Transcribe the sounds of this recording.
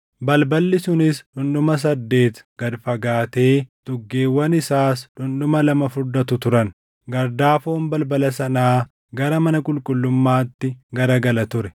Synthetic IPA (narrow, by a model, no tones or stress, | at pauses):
bɐlbɐlːɪsʊnɪsᶑʊnɗʊmɐs̬ɐd̪ːe̞ːt̪ɡ̥ɐd̪fɐɡaːt̪e̞ːd̪̥ʊɡːe̞ːwːɐnɪsaːsᶑʊnɗʊmɐlɐmɐfʊɾd̪ɐt̪ʊt̪ʊɾɐn | ɡɐɾd̪aːfoːnbɐlbɐlɐsɐnaː | ɡɐɾɐmɐnɐkʼʊlkʼʊlːʊmːaːt̪ːɪɡɐɾɐɡɐlɐt̪ʊɾɛ̥